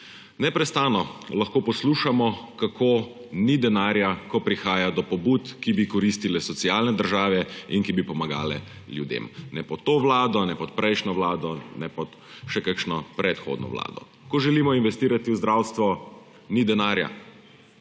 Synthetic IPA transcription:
nɛpɾɛst̪aːnɔlɐxkoːpɔsluʃamɔkakʰoː | nid̪ɛnaːɾjakɔpɾixaːjad̪ɔpɔbut̪kibikɔɾist̪ilɛsɔtsiaːlnɛd̪əɾʒaːʋɛiŋkibipɔmaɡa̰ːlɛ̰ljud̪ḛmnɛpɔt̪ːoʋlaːd̪ɔnɛpɔt̪̚pɾɛjʃnɔʋlaːd̪ɔnɛpɔt̪ | ʃɛkakʃnɔpɾɛt̪xo̰ːd̪nɔ̰ʋla̰ːd̪ɔ̰ | kɔʒɛliːmɔinʋɛst̪iːɾat̪iwzd̪ɾawst̪ʋɔ | nid̪ɛnaːɾja̰

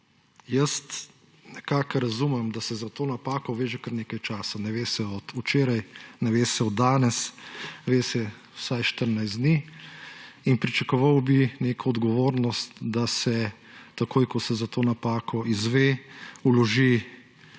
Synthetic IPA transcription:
jəst̪ | nɛkaːkɾɐzumɛmd̪asɛzat̪oːnapaːkɔʋeːʒɛkəɾneːkajt͡ʃaːsanɛʋeːsɛɔt̪ut͡ʃeːɾajnɛʋeːsɛɔd̪ːaːnɛsʋeːsɛ | wsajʃt̪əɾnajz̬d̪ni | inpɾit͡ʃakɔʋawbineːkʰɔɔd̪ɡɔʋoːɾnɔst̪d̪asɛ | t̪akoːjkɔsɛzat̪oːnapaːkʰɔizʋeulɔʒi

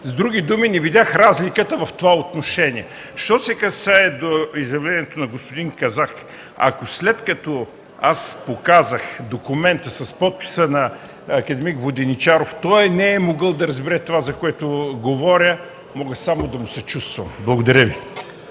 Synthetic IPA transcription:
zd̪ɾuɡ̟id̪uminɛvid̪ʲaxɾazlikət̪əvɐft̪ovaot̪noʃɛniɛ | ʃt̪ɔsɛkɐsaɛd̪oizjɐvlɛniɛt̪onɐɡospod̪iŋkɐzak | ɐ̰koslɛt̪kɐt̪ɔ | aspokazəxd̪okumɛnt̪əsɐspɔt̪̚pi̥sənɐ | ɐkɐd̪ɛmikvod̪ɛnit͡ʃaɾoft̪ɔjnɛɛmoɡəlˠd̪ɐɾɐzbɛɾɛt̪ovazɐkoɛt̪oɡovɔɾʲə | mɔɡəsamod̪ɐmʊsɛt͡ʃust̪vɐ̰mblˠɐɡod̪ɐɾʲjəvi

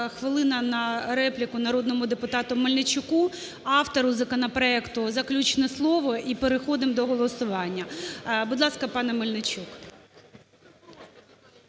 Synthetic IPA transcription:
xʋɪlˠɪnɐnɐɾɛplʲɪkʊnɐɾɔd̪nɔmʊd̪epʊt̪ɑt̪ʊmelʲnet͡ʃʊku | ɑwt̪ɔɾʊzɐkɔnɐpɾɔɛkt̪ʊzɐklʲut͡ʃnɛslˠɔʋɔʔipeɾexɔd̪ɪmd̪ɔɦɔlˠɔsʊʋɑnʲːɐbʊd̪lˠɑskɐpɑnɛmɪlʲnɪt͡ʃʲuk

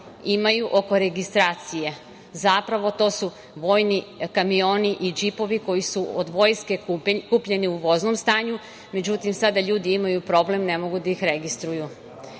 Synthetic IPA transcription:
imajuʔo̞ko̞ɾe̞ɡist̪ɾaːt̪sije̞ | zapɾaʋo̞t̪o̞su | ʋo̞ːjnikamio̞ːniʔid͡ʒipo̞ʋiko̞jisuod̪ʋo̞ːjske̞kupʎe̞niuʋo̞zno̞mst̪aːɲu | me̞d͡ʑut̪imsad̪aʎuːd̪iimajupɾo̞ble̞mne̞mo̞ɡud̪aixɾe̞ɡist̪ɾuju

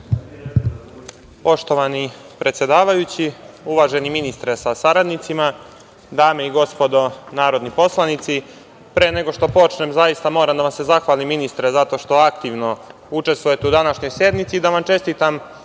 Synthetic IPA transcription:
po̞ʃt̪o̞ʋani | pɾʔe̞t̪sje̞d̪aːʋajut͡ɕiuʋaːʒe̞niminist̪ɾesasaɾad̪nit̪sima | d̪aːme̞iɡo̞spo̞d̪o̞naːɾo̞d̪nipo̞slˠanit̪si | pɾe̞ːne̞ɡo̞ʃt̪o̞po̞t͡ʃnemzajist̪amo̞ːɾamd̪aʋamse̞zaxʋaːlimːinist̪ɾezat̪o̞ːʃt̪o̞akt̪iʋno̞ | ut͡ʃe̞st̪ʋuje̞t̪e̞ud̪anaʃɲo̞jsje̞d̪nit̪iːd̪aʋamt͡ʃe̞st̪it̪am

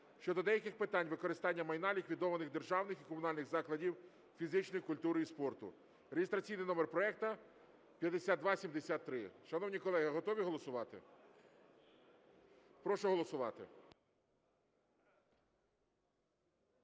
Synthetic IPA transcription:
ʃt͡ʃɔd̪ɔd̪ɛjɐkɪxpɪt̪ɑnʲʋɪkɔɾɪst̪ɑnʲːɐmɐjnɑlʲikʋʲid̪ɔʋɐnɪɣd̪erʒɑwnɪxikɔmʊnɑlʲnɪɣzɑklˠɐdʲiw | fʲizɪt͡ʃnɔjikʊlʲt̪uɾɪispɔrt̪ʊ̰ | ɾeɦɪst̪ɾɐt͡sʲijnɪjnɔmerpɾɔɛk̚t̪ɐ | pʲjɐd̪esʲad̪d̪ʋɑsʲimd̪esʲat̪ːɾɪʃɐnɔwnʲikɔlˠɛɦɐɦɔt̪ɔʋʲiɦɔlˠɔsʊʋɑt̪ɪ | pɾɔʃɔɦɔlˠɔsʊʋɑt̪ɪ

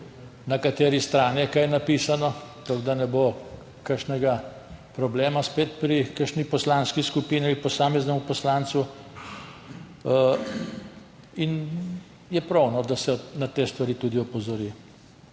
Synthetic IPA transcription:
nakat̪eːɾist̪ɾaːnjɛkajnapiːsanɔt̪ɔɡd̪anɛbo | kəɾʃnɛɡa | pɾɔbleːmaspeːt̪pɾikəɾʃnipɔslanskiskupiːnialipɔsaːmɛznɛmupɔslant̪su | in | jɛpɾɔwnɔd̪asɛnat̪eːst̪ʋaɾiːt̪ud̪iɔpɔzɔɾi

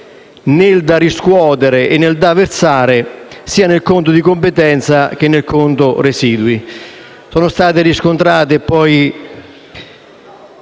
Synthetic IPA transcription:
nɪld̪ariskwɔːt̪eɾɪʔenːeld̪aveɾsaːɾɪsiːanelkont̪̬ʊd̪ikompɪt̪ɛnt̪sak̟enːelkont̪ʊresiːd̪wi | sɔːnʊst̪aːt̪̬ɪɾiskont̪ɾaːt̪̬epːɔj

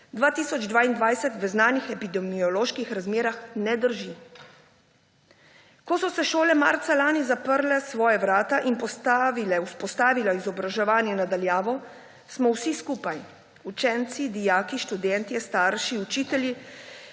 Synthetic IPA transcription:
d̪ʋaːt̪iːsɔd͡ʒd̪ʋaːind̪ʋajsɛt̪ʋəznaːnixɛpid̪ɛmiɔloːʃkixɾazmeːɾaxnɛd̪əɾʒi | kɔsɔsɛʃoːlɛma̰ːɾt̪salaːnizapəɾlɛsʋɔːjaʋɾaːt̪aʔinpɔst̪aʋilɛuspɔst̪aːʋilaizɔbɾaʒɛʋaːnjɛnad̪aljaːʋɔ | smɔwsiskuːpaj | ut͡ʃɛnt̪sid̪ijaːkiʃt̪ud̪ɛnt̪iɛst̪aːɾʃiut͡ʃiːt̪ɛlji

